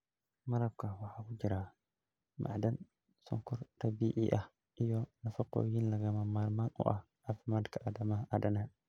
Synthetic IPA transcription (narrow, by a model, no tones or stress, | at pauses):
maɾakːawaħakud͡ʒiɾa | mʔa̰dan | sɔ̰ŋkɔɾtabiːʔḭʔa | ʔijɔnafakːɔ̰jinlaɡamamaɾmanʔṵʔa | afmadkaʔadamaadana